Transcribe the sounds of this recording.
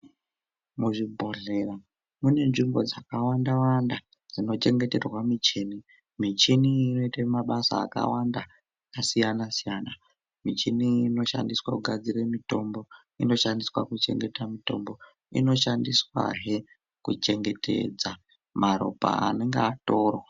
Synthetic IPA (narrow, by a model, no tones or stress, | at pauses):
muʐibʱo̞ɮe̞ra | mune̞nʐimbo̞d͡zakawandawanda | d͡zino̞t͡ʃe̞ŋɡe̞te̞rwamit͡ʃini | mit͡ʃiniːno̞itamaɓasa̰ːka̰wanda | kasijanasijana | mit͡ʃiniːno̞ʃa̰ndiswakuɡʱad͡ziremito̞mbo̞ | ino̞ʃandiswakut͡ʃe̞̰ŋɡe̞tamito̞̰mbo̞ | ḭno̞ʃandiswa̰ɦe | kut͡ʃe̞ŋɡe̞tʰḛd͡za | maɾo̰pa̰a̰ne̞ŋɡeato̞ːro